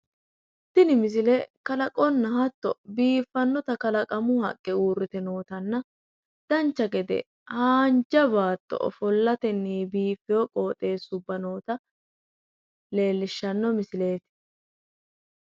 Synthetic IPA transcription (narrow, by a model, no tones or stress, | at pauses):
t̪ːɪnɪmɪs̬ɪlɛkɐlɐkʼɔnːɐhɐt̪ːɔbiːfːɐnːɔt̪ɐkɐlɐkʼɐmʊhɐ̰kʼːɪuːɾrːɪt̪ɛno̞ːt̪ɐnːɐ | d̪̥ɐnt͡ʃːɐɡɛd̪ɛ̰ | haːnd͡ʒɐβaːt̪ːɔ̰ɔ̰fɔlːɐt̪ɛnːiːbiːfːɪjɔkʼo̞ːt̪ʼe̞ːsʊbːɐno̞ːt̪ɐ | le̞ːlːɪʃːɐnːɔmɪsɪle̞ːt̪ɪ